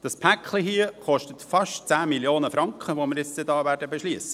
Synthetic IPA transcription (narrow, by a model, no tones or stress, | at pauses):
d̥ɑspʰækχliɦiəχɔʃtətfɑʃtt͡sæːmiljoːnəfɾɑŋkχəʋomɪɾɪt͡sstədɑːʋæːɾdəbɛʃliːsə̥